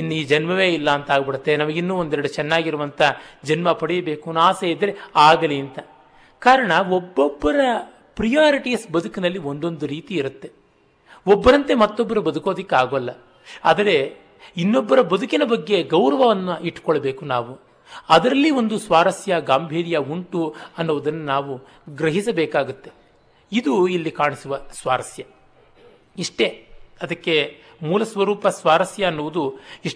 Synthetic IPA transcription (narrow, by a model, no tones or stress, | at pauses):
inːiːd͡ʒɐnmɐʋe̞ːilːɐːnt̪aːɡɐbiɽut̪ːe̞nɐmɐɡinːuond̪ɛɾɐɽut͡ʃɛnːaːɡiɾuʋɐnt̪ʰɐd͡ʒɐnmɐpɐɽijɐbe̞ːkunaːseid̪ːɐɾeaːɡɐliɐnt̪ɐ | kaːɾɐɳɐɔbːobːɐɾɐ | pɾijaːɾiʈijɐsbɐd̪ukinɐlːio̞ɳɖo̞nd̪uɾiːt̪iːɾut̪ːe̞ | ɔbːɐɾɐnt̪e̞mɐt̪ːobːɐɾubɐd̪uko̞ːd̪ikːeaːɡoɐlːɐ | ɐd̪ɐɾe̞ | inːobːɐɾɐbɐd̪ʱukinɐbɐɡːe̞ɡɐwɾɐʋɐʋɐnːuiʈːu̥kɔɭɐbe̞ːkunaːʋu | ɐd̪ɐɾɐlːio̞nd̪usʋaːɾɐsjɐɡaːmbʱiːɾijɐuɳʈuɐnːuʋud̪ɐnːunaːʋu | ɡɾɐɦisɐbeːkaːɡut̪ːe̞ | id̪uilːikaːɳisuʋɐsʋaːɾɐsjɐ | iʂʈe̞ɐd̪ɐkːe̞ | muːlɐsʋɐɾuːpɐsʋaːɾɐsjɐːnːuʋud̪uiʂ